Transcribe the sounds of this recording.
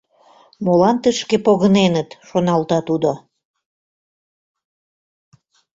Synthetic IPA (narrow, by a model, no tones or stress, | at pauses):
molɑnt̪əʃkepoɣənenət̪ʃonɑlt̪ɑt̪ud̪o